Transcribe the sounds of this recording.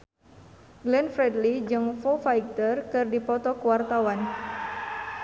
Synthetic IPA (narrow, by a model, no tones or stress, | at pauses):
ɡlɛnfɾɛdlid͡ʒɨŋfofajk̚t̪ərkɨrdipɔt̪ɔkuwart̪awan